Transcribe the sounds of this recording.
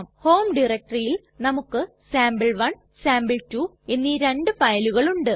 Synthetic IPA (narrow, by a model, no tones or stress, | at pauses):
mho̞ːmɖirɐk̚ʈɐrijil | nɐmukːɨ | saːmbɨɭʋɐn | saːmbɨɭtu | e̞nːiɾe̞ɳɖɨfɐjluɣɐɭuɳɖɨ